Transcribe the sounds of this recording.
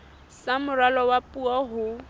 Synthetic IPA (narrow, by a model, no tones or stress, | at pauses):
samʊɾalɔwapʼuɔɦʊ